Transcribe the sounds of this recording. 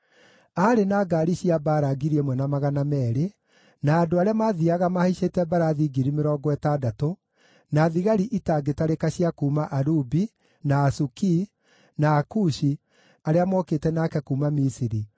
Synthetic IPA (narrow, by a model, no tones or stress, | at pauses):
aɾenaːɡaːɾiɕiabaːɾaɡiɾiemwɛnamaɣanamɛːɾe | naːdoaɾeamaðiaɣamahiʃetɛbaɾaːðiɡiɾimeɾɔːɡɔɛtadato | naːðiɣaɾiʔitaɡetaɾekaɕiakuːmaʔaɾubi | naːsuki | naːkuʃi | aɾeamwɔketɛnakɛkuːmamisiɾi